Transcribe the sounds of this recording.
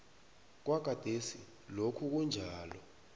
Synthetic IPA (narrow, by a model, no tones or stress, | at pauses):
k̬waɡ̥ʱad̥ʱesi | lokʰuk̬und͡ʒʱaːlɔ̰